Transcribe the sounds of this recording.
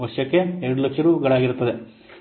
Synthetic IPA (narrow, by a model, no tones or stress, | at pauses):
ʋɐʃjɐkːe̞eɾɐɽulɐkʂɐɾuːpɐɡɐɭaːɡiɾut̪ːɐd̪e